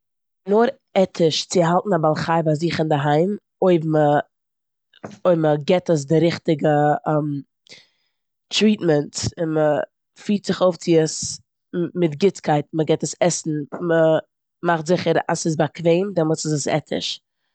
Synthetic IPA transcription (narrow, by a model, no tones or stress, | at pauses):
nʊɾ | ɛtʰɪʃt͡sɪɦalˠtn̩abalˠχaɪvaziːχɪndəɦaɪm | oɪbmə | oɪməɡɛtəs̬dɪɾɪχtɪɡəɛm | tɾiːtmɛntɪnmə | fiːtz̥ɪχoʊft͡sɪəs | mɪtɡɪt͡skʰaɪtməɡɛtəsɛsn̩mə | maχtzɪχəɾa̰sɪs̬bakveɪmdɪmʊt͡səsəsɛ̰tʰɪ̰ʃ